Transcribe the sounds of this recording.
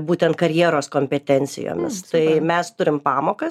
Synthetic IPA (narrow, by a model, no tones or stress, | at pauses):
buːt̪ʲɛnt̪̚kɐɾʲjiɛɾoːskoːmʲpʲɛt̪ʲɛnʲt͡ssʲɪ̰jo̰ːmʲɪ̰st̪ɐɪmʲɛst̪ʊɾʲɪmpɑːmoːkɐs